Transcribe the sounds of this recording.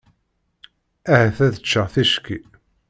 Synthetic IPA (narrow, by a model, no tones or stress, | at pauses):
æhæθæðət͡ʃːəʁθiʃki